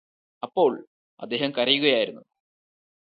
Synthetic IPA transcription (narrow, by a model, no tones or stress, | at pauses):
ɐpːo̞ːɭ | ɐ̰d̪ːe̞ːɦɐmkɐrɐjuɣɐjaːjiɾunːu